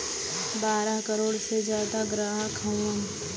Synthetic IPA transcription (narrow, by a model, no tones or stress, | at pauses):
baːɾəɦkəɾoːɽsed͡ʒjaːd̪aɡɾaːɦkʰə̃əm